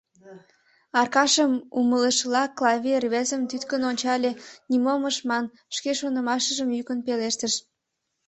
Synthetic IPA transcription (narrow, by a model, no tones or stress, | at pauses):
ɑrkɑʃəmumələʃlɑklɑvʲerβezəmt̪yt̪kənonʲt͡ɕɑlʲenimoməʃmɑn | ʃkeʃonəmɑʃəʒəmjykənpeleʃt̪əʃ